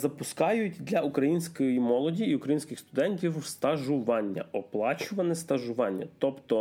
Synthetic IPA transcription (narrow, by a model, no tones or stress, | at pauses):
zɐpʊskɑjʊtʲd̪lʲɐʊkɾɐjinʲsʲkɔjimɔlˠɔdʲiːʊkɾɐjinsʲkʲɪxst̪ʊd̪ɛnʲtʲiwst̪ɐʒʊʋɑnʲːɐ̰ʔɔplˠɑt͡ʃʊʋɐnɛst̪ɐʒʊʋɑnʲːɐ̰t̪ɔpt̪ɔ